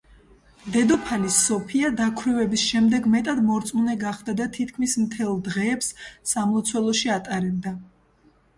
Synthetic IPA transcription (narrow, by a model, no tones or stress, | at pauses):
d̪ɛd̪ɔpʰalisːɔpʰiad̪akʰwɾivɛbisʃɛmd̪ɛɡmɛt̪ʼad̪mɔɾt̪sʼmunɛɡaχd̪ad̪at̪ʰit̪̚ʰkʰmismt̪ʰɛlˠd̪ʁɛːpsːamˠɔt̪sʰwɛlˠɔʃiat̪ʼaɾɛb̚d̪a